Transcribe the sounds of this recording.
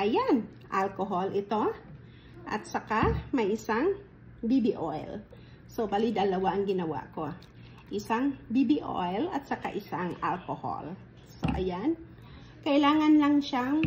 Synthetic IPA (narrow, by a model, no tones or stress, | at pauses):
ʔɐjan | ʔalkoɦolʔɪt̪o̞ | ʔɐ̰t̪̚sɐkamɐjʔɪsaŋ | bibiʔojl | so̞balid̪ɐlɐwaʔɐŋɡɪnɐwa̰ko̞ | ʔɪsaŋbibiʔo̰jlɐt̪̚sɐkaʔɪsaŋʔa̰lkoho̰l | so̰ʔɐ̰jan | kɐʔɪlaːŋɐnlɐŋʃaŋ